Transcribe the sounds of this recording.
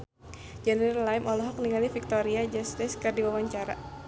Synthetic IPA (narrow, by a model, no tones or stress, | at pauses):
d͡ʒɛniɾlajmɔlɔɦɔk̚niŋalifik̚t̪oɾiad͡ʒɛsdɛskardiwawaɲt͡ʃaɾa̰